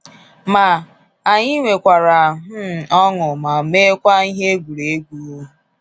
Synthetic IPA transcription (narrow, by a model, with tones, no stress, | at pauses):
ma˨ | a˨ɲɪ˦ŋʷe˨kʷa˨ɾa˨ɦʊ˦˨ɔ˦ŋʊ˨ma˨me˦kʷa˦i˦ɦe˦ɡʷu˨ɾe˨˦ɡʷu˨ɾu˦